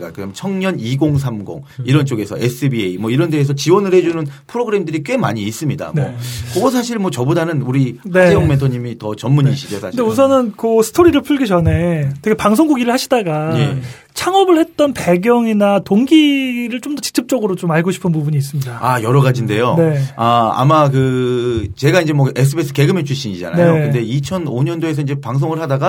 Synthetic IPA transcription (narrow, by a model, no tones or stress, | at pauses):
ɡa̰kɯɲamt͡ɕʰʌŋɲʌniɡoŋs̬ʰamɡo̰ŋiɾʌnt͡ɕ͈oɡe̞sʰʌ̰es͈ʰɯbieimʌiɾʌndeːs̬ʰʌt͡ɕiwʌnɯɭhe̞d͡ʑunɯnpʰɯɾoɡɯɾe̞mdɯɾik͈we̞ma̰ɲiːs͈ɯmɲida̰mnokʌɡʌs̬ʰaɕ̬ʰiɭmwʌt͡ɕʌbodanɯnuɾinejʌŋme̞ntʰoɲimitʌt͡ɕʌmːuɲiɕʰid͡ʑosʰaɯndeus̬ʰʌnɯnkɯsʰɯ̥tʰoɾiɾɯɭpʰuɭɡit͡ɕʌnetʰeɡepaŋsʰoŋɡuɡiɾɯɭhaɕʰidaɡaje̞̰ | t͡ɕʰaŋʌbɯɭhe̞t̚t͈ʌnpe̞ɡjʌŋinatoŋɡiɾɯɭt͡ɕomdʌt͡ɕi̥kt͡ɕ͈ʰp̚t͡ɕ͈ʌɡɯɾot͡ɕomaɭɡoɕʰi̥pʰɯnpubuɲiːs̬͈ɯmɲidaajʌɾʌɡad͡ʑinde̞jone̞aa̰makɯ | t͡ɕe̞ɡaind͡ʑemwʌes̬ʰɯbesʰɯke̞ɡɯme̞t͡ɕʰuɕ͈ʰiɲid͡ʑa̰na̰ejokɯnnde̞it͡ɕʰʌnoɲʌndoe̞s̬ʰʌind͡ʑe̞paŋs̬ʰoŋɯɭhadaɡa